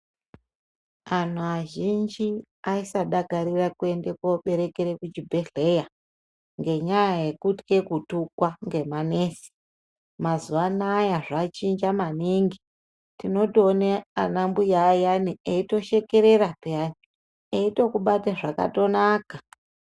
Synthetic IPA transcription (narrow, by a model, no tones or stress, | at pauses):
an̤uaʒind͡ʒi | aisaɗaɡʱaɾirakue̞nde̞koɓe̞ɾe̞keɾekut͡ʃibʱe̞ɮe̞ja | ŋɡe̞ɲajaje̞kutke̞kutukwaŋɡe̞mane̞ːsi̥ | mazuʋanajaʐat͡ʃind͡ʒamaniŋɡi | tino̞toːneanambujaːjanieito̞ʃe̞ke̞ɾe̞ɾapeani | eito̞kuɓataʐaka̰to̞naːka